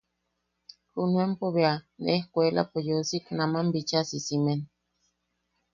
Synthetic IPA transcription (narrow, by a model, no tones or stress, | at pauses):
hunuempoβeanḛhkʷela̰pojosiknamambit͡ʃasisimen